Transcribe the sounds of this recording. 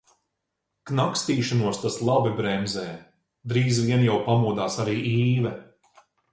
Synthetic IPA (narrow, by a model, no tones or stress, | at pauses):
knakst̪iːʃanuɔst̪aslˠabibɾɛmzɛː | d̪ɾiːzviɛnjawpamuɔd̪aːsaɾiːʔiːvɛ